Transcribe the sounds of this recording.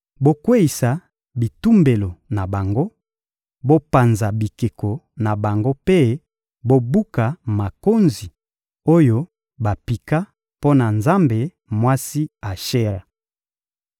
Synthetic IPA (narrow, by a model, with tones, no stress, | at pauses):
bo˦kwe˦i˨sa˨ | bi˨tu˦mbe˨lo˨na˨ba˨ŋɡo˦ | bo˦pa˨nza˨bi˨ke˨ko˨na˨ba˨ŋɡo˦pe˦ | bo˦bu˦ka˨ma˨ko˦nzi˨ | o˦jo˦ | ba˨pi˨ka˦ | po˦na˨nza˦mbe˨ | mwa˦si˦a˨ʃe˦ʁa˨